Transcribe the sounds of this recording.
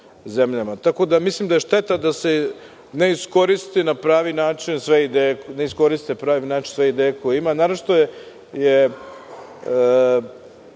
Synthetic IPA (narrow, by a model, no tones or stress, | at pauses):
zemʎamat̪ako̞d̪amislˠimd̪ae̞ʃt̪e̞t̪ad̪ase | ne̞isko̞ɾist̪inapɾaːʋinaːt͡ʃinsʋeid̪eːjene̞isko̞ɾist̪epɾaːʋinaːt͡ʃinsʋeid̪eːjeko̞jeimanaɾot͡ʃt̪o | je